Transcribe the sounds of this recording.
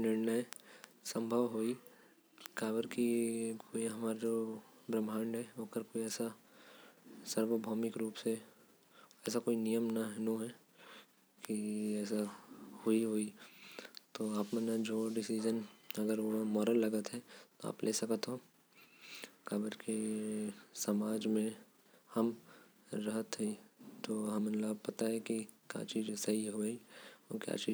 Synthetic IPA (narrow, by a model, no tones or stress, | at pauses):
nɪɾnəesɐ̃mbʱəʋɦoːi | kaːbəɾkikʰoːiɦɐmaːɾd͡ʒoːbɾəmaːɳɖɦɛoːkəɾkoːiɛːsa | sɐɾʋəbʱɔːmɪkɾuːpse | ɛːsakoːinijəmnaɦnuɦɛ | kiɛːs̬ahoiɦoːi | t̪oaːpmə̃nad͡ʒoːɖɪsid͡ʒənɐɡəɾʋomɔːɾəlːɐɡət̪ɦɛt̪oa̰ːplʔeːsɐkət̪ɦo | kaːbəɾke | sɐmaːd͡ʒmẽ | hɐm | ɾɐɦət̪ɦɛit̪oːɦɐmənlaːpɐt̪aɦɛkikja̰ːt͡ʃiːd͡ʒsɐɦiɦoiokja̰ːt͡ʃiː